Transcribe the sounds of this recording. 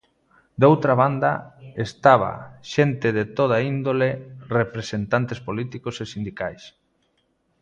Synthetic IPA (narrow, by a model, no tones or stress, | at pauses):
d̪owt̪ɾaβand̪a̰est̪aβ̞a̰ʃent̪eðet̪oð̞aind̪olerepɾesent̪ant̪espolit̪ikosesind̪ikajs